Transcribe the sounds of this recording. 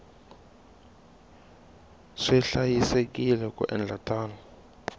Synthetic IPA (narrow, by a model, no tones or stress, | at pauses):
ʂɛɬajisek̬ʼilɛkʼṵʔɛ̰nd͡ɮʱatʰʼaːnɔ